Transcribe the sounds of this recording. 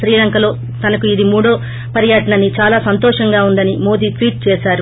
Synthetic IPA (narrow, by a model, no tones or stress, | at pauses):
ɾiːlɐŋkɐlo̞ː | t̪ɐnɐkuid̪imuːɽo̞ː | pɐɾijɐʈɐɳɐnːit͡ʃaːlaːsɐnt̪ɔːʂɐŋɡaːund̪ɐnimo̞ːd̪iːʈʋiːʈ̚t͡ʃɛːsaːɾu